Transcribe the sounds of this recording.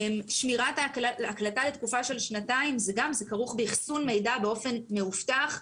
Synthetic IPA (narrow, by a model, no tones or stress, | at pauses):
mʃmiʁat̪akaaklatalet̪kufaʃe̞lʃnataimzeɡamzekaʁuχbeiχsunme̞jdabeo̞fe̞nme̞uftaχ